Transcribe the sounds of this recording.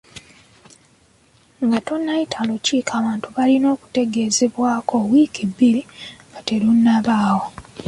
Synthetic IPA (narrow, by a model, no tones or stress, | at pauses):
ŋɡatonːajitʰaluciːkʰaːβaːntuβalino̞ːku̥te̞ɡe̞ːze̞βwaːko̞wiːkibːilikatelunːaβaːwo